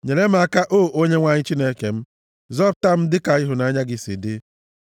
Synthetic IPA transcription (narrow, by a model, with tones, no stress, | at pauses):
ɲe˨le˦m̩˦a˦ka˦ʔoː˦˨ʔo˦ɲe˦ŋʷa˦ɲɪ˦t͡ʃi˦ne˦ke˨m̩˦ | zɔ˦p̚ta˦m̩˦dɪ˦ka˨i˦ɦʊ˨na˨˦ɲa˦ɡɪ˦sḭ˨dɪ˦